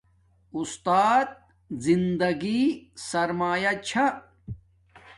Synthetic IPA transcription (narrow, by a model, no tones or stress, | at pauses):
ust̪aːt̪̚ | zind̪ɐɡisɐɾmaːjɐt͡ɕʰɐ